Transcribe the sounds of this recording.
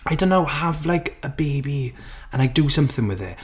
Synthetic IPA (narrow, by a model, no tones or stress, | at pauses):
ajdoʊ̃nːowhavlajkʰəbebi | ə̃naɪdəsʌ̃mθɪ̃ŋwɛðɪ̰